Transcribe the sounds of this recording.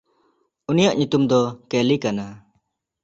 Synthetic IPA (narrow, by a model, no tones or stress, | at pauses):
unijaʔɲut̪umd̪ɔkelikana